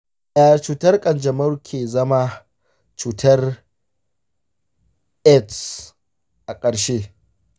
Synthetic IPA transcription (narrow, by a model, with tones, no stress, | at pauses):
aː˨t͡ʃuː˨tɐ˦rkʼɐ˨nd͡ʒɐ˨mɐ˦rkʲʰeː˨zɐ˦ma˦ | t͡ʃuː˨tʰɐ˦r | ʔɛ˦ts | ʔa˨kʼɐ˨ɽʃe˦